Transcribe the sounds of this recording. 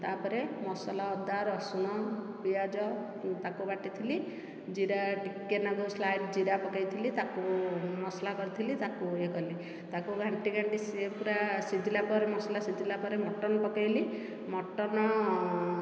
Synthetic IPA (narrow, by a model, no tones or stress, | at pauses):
t̪apɔɾemɔsɔlaɔd̪aɾɔsunɔ | pijad͡ʒɔ | t̪akubaʈit̪ʰili | d͡ʒiɾaʈikːenɔɡuslajʈd͡ʒiɾapɔkajt̪ʰilit̪akumɔslakɔɾit̪ʰilit̪akuekɔli | t̪akuɡʱaɳʈiɡʱaɳʈisepuɾasid͡ʒilapɔɾemɔsɔlasid͡ʒilapɔɾemɔʈɔnɔpɔkajli | mɔʈɔnɔ